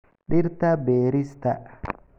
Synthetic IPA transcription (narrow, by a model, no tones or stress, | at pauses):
ɗiɾt̪abeːɾist̪a